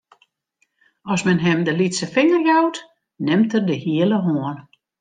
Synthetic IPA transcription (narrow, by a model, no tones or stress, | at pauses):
ɔsmɛnɦɛmdəlitsəfɪŋərjawt | nɪmtərdəhiələɦoən